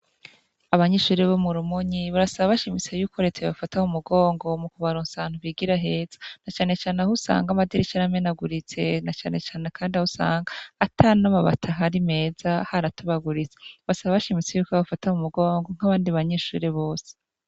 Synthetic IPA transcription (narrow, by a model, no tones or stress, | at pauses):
aβaɲeːʃuːɾeβo̞muɾumuɲiβaɾasaβaβaʃimit͡sejuːko̞ɾet͡seβafataumuɡo̞ːŋɡo̞mukuβaɾuːnsaːn̥uβiɡiɾaɦe̞ːz̥ḁnat͡ʃaːne̞t͡ʃaːneahusa̰ːŋɡamadiɾit͡ʃaɾamenaɡuɾit͡se̞nat͡ʃaːne̞t͡ʃaːne̞kʰaːndiahusa̰ːŋɡaːtʰanamaβa̰tʰaɦaɾime̞ːzahaɾatuβaɡuɾit͡se̥βaasaβaβaʃimit͡sejuːkoβafataumuɡo̞ːŋɡo̞ŋ̥haβaːndiβaɲeːʃṵːɾeβo̞ːse̥